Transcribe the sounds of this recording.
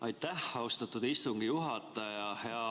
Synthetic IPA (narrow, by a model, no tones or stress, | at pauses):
ɑjt̪ːˑæhɑust̪ɑt̪ːˑud̪ist̪uŋɡ̥ijuɦɑt̪ːˑɑjɑjɑhe̞ɑ